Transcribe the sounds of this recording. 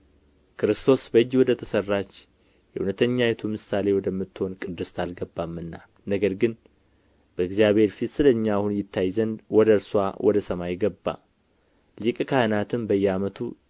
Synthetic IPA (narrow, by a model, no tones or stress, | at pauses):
kʰɨɾɨst̪ʰo̞sbəɨjːwɔd̪ət̪ʰəsərːat͡ʃ | jɛhunət̪ʰəɲːajɛt̪ʰumɨsale̞wɔd̪əmːɨt̪ːɨho̞nkʼɨd̪ːɨst̪ʰalɡəbːamːɨnːa | nəɡəɾɡɨn | b̥əɨɡzijaβhe̞ɾfit̪sɨləɲːaːhunjɪt̪ːajzənd̪wɔd̪əɾswawʔɔd̪əsəmajɪɡəbːa̰ | likʼkʰahɨnat̪ʰɨmbəjːɛamət̪ʰu